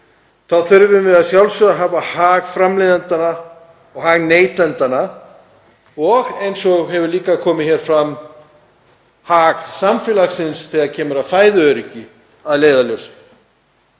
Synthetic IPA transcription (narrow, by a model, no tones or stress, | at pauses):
θaðθʏɾvʏmvɪðaðsjawlsʏðaɦaːvahaːɣfɾamlejðant̪ana | ɔɣhaːɣneːjt̪lɛnt̪ana | ɔɣejnsɔɣɦɛvʏɾliːkakʰɔːmɪçɛːɾ̥fɾamː | haːɣsamfɪlasɪnsθʰiaðcʰɛːmʏɾaðfaːjðʏœɾɪcɪ | aðleːjðaljows